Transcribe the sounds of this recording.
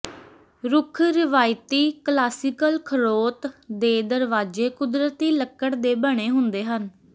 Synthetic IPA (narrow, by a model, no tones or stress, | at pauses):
ɾʊkʰɾɪʋaːjt̪iːklaːsɪkəlkʰəɾoːt̪d̪eːd̪əɾʋaːd͡ʒeːkʊd̪ɾət̪iːləkːəɽd̪eːbəɽ̃eːɦʊnd̪eːɦən